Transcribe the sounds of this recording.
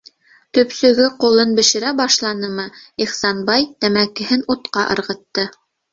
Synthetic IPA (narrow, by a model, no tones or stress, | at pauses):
t̪ɵ̆psɵ̆ɡɘqulˠɤnbɘ̆ʃɘ̆ɾæbɑʃlˠɑnɤmɤiχsɑnbɑjt̪æmækɘ̆hɘnut̪qɑʔɤ̰̆ɾʁɤ̆t̪ːɤ